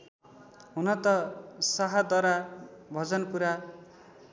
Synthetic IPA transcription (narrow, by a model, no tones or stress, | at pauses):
ɦunʌt̪ʌsaɦad̪ʌɾabʱʌd͡zʌnpuɾa